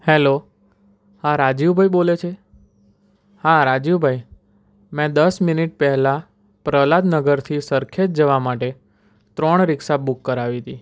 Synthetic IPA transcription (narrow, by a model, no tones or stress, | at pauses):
helo | hãɾad͡ʒiʋbʱajbolet͡ʃʰe | haɾad͡ʒiʋbʱaj | mɛ̃d̪əsminiʈ̚pɛɦɛla | pɾəlad̪nəɡəɾt̪ʰisəɾkʰet̪̚d͡ʒəʋamaʈe | t̪ɾɔɳɾɪksabukːəɾaʋit̪i